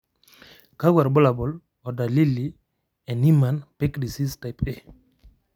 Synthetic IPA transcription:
ka˦ɡa˨ɾbɔ˦la˨bɔ˨l | ɔ˨da˨li˦li˨ | ɛ˨ni˦ma˨npɛ˦kdi˨si˦sta˨jpe

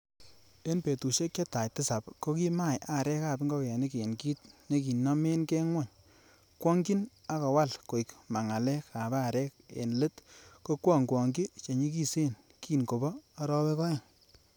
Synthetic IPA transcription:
e˦npe˨tu˨ʃe˦k̚t͡ʃe˦ta˨jtɪ˦sa˨pko˦ki˦ma˦˨jʔa˨ɾɛ˦ka˦˨bi˦ŋɡɔ˦kɛ˨ni˦ke˨nki˦t̚ne˦k̬i˨nɔ˦me˦nkɛ˦ŋwɔ˦˨ɲ | kwɔ˦ŋɡi˦na˦kɔ˨wa˦˨lko˨i˨kma˨ŋa˨lɛ˦ka˨ba˦˨ɾɛ˦kḛ˨nle˦tko˦kwɔ˦˨ŋkwɔ˨ŋɡi˦t͡ʃe˨ɲi˦ki˦se˦n | kiː˦nko˨bɔː˦ɾɔ˦pɛ˦kɔ˦jɔ˨ŋ

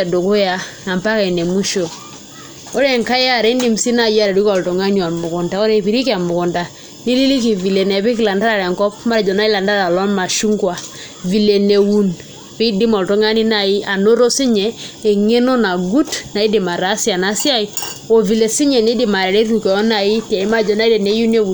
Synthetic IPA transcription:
a˨do˨ko˦ja˦a˨mpa˦ka˨ne˨mu˦ʃo˨ | o˦ɾe˨ŋka˦ja˦˨ɾe˦ndi˨˦msi˦na˨ja˦ɾa˨ɾi˦kɔ˨lto˨ŋa˦n˦a˨mʊ˨kʊ˨nta˨o˦ɾe˦˨pi˨ɾi˦ki˦a˨mʊ˨kʊ˨nda˨ | ni˦li˦li˦ki˨vi˨le˨nɛ˨pi˦kla˨nda˦ɾa˨ɾɛ˨ŋkɔ˦p̚ma˦ɾd͡ʒɔ˨na˦ɪ˦la˨nda˦ɾa˨lɔ˦nma˨ʃu˦ŋɡwa˨ | vi˨le˨ne˨wu˦n | pɪ˦di˦mɔ˨lto˦ŋa˦ni˦na˨ɪ˦a˨no˦ɾo˦si˦ɲɛ˨e˨ŋe˦no˦na˨ɡu˦tna˨i˦dɪ˨ma˨ɾa˨˦sja˨na˨˦sja˦i˨o˨vi˨le˨si˦ɲɛ˨ni˦di˨ma˨ɾɛ˨ɾe˦ɾu˨kɛ˨ɔ˦na˨i˦ta˨i˦ma˦d͡ʒɔ˨na˦i˦dɛ˨ne˨˦ju˦ne˦u˨n

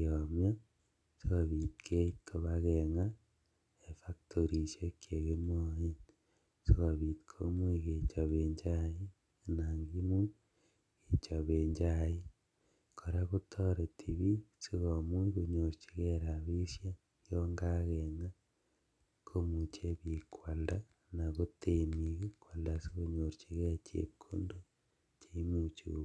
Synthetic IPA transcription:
omja˦ | si˦ɣoβi˨tkʰe˦kʰo˨βaɣeŋa˦ | e˨faktʰoɾi˨sekʰje˨ɣe˦moin | si˦ɣo˨βi˨ti̥kʰo˦mwi˦ɣe˨t͡ʃa˨βe˨ɲd͡ʒa˦ji˦ | naːŋɡi˦nu˦ | i˨t͡ʃaβeɲd͡ʒa˦ji˦ | kʰo˨ɾaku˦tʰo˦ɾe˨tʰi˨βi˦si˦ɣo˨mwi˦ku˨ɲo˨ɾt͡ʃe̥˨ɣe˦ɾa˨βi˦sja˦ | kjoŋɡaɣeŋa˦ | kʰo˦mut͡ʃe˦βikwa˨lda˦ | na˨ɣo˦tenikekwa˨ldasiɣoɲo˨ɾt͡ʃe˨ɣe˦t͡ʃḛ˨kʰːo̰˦ndo˦ | t͡ʃe˦mut͡ʃṵ

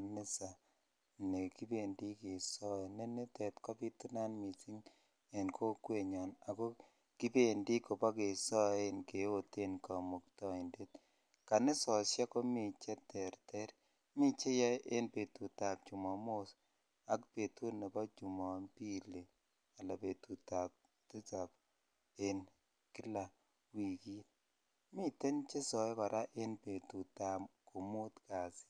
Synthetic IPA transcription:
a˨nɪ˦sa˨ | ne˨ki˦be˦˨ndi˦kɪ˨sɔ˦e˨ne˦nɪ˦tɛ˨tkɔ˦pi˦tu˦na˦nmi˨ti˦ŋ | e˨nkʰo˦kwe˨ɲɔ˨na˨ko˦ | ki˦be˦˨ndi˦ko˨pɔ˦ke˨sɔ˦e˦nke˨o˦te˦nka˨mo˨ktɔ˦i˨nde˦t | ka˨nɪ˦sɔ˨sja˦ko˦mi˨t͡ʃɛ˦tɛ˨ɾtɛ˦ɾ | mɪ˦t͡ʃe˦ja˦ʔe˦npe˨tu˨ta˨p̚t͡ʃu˨mɔ˨mo˦s | a˦kpe˨tu˦ne˨bɔ˦t͡ʃu˨mɔ˨npi˦le˨ | a˨la˨be˨tu˨ta˨p̚ | tɪ˦t͡sa˨p | e˦n | kɪ˦la˨ | wi˨ki˦t̚ | mɪ˦te˦nt͡ʃe˦sɔ˨e˦ka˨ɾa˦ʔe˦npe˨tu˨ta˨mko˨mu˦tka˨sɪ̥˦

